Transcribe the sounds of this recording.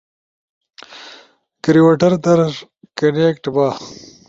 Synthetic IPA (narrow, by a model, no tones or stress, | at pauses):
kɾiwaʈɐɾd̪ɐɾʒ | kɐnekʈbaː